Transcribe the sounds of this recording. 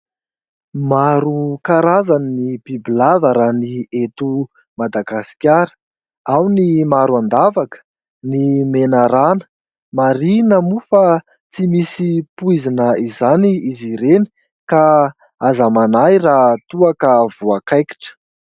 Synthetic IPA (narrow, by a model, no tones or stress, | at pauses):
maɾukaɾazannibibilavəɾaːniet̪u | mad̪aɡasi̥kʲjaɾə̥ | awnimaɾuand̪avakə̥ | nimenaɾanə̥ | maɾinəmufa | t͡simisipuizinəizaniiziɾeni̥ | ka | azamanajrat̪uakəv̥uakajki̥ʈ͡ʂə̥